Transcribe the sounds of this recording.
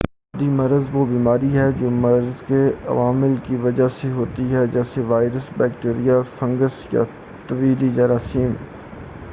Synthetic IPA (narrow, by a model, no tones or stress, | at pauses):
d̪imɐɾzʋobiːmaːɾiɦɛd͡ʒoːmɐɾzkeɐ̰ʋaːmɪlkiʋɐd͡ʒaseɦoːt̪iɦɛd͡ʒɛːseʋaːɪɾəsbɛːk̚ʈeːɾijafɐ̃ŋɡəsja̰ | t̪ɐʋiːd̪id͡ʒɐɾaːsiːm